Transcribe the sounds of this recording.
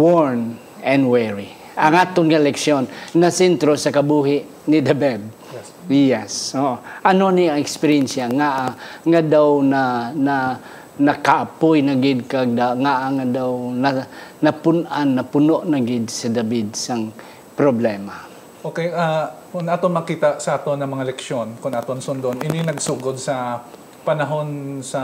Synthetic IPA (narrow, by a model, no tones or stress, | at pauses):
woɹn | ɛnwɛɹi | ʔɐŋat̪ʊŋɡalɛksjonːasɛnt̪ɾosɐkabuɦɪʔ | nɪd̪abɛd̪̚ | jɛsoʔoʔɐnoniɐŋɛkspɛɾɛnsjaŋaʔaŋad̪awnana | nɐkaʔapojnaɡɪd̪̚kaɡ̚d̪aŋaʔaŋad̪awnɐnɐpʊnʔanːɐpʊnoʔnɐɡɪd̪̚sɐd̪ɐbid̪̚sɐŋ | pɾoblɛma | ʔoːkɛjʔa | kʊnat̪omɐkiːt̪ɐʔsɐʔat̪onɐmɐŋalɛkʃjonkʊnʔat̪onsʊnd̪onʔɪninɐɡsuɡod̪̚sɐ | pɐnɐɦo̞nsɐ